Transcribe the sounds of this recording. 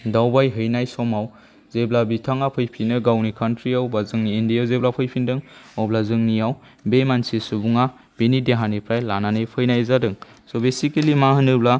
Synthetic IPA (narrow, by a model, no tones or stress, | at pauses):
dawbajɦɯjnajsɔmaw | zeblabitʰaŋapʰɯjpʰinɯɡawnikʰantʰɾiawbazɯŋniːndijawzeblapʰɯjpʰindɯŋɔblazɯŋniaw | bemansisubuŋa | b̥enideɦanipʰɾajlananɯjpʰɯjnajzadɯŋ | sɔbesikelimaɦɯnɯbla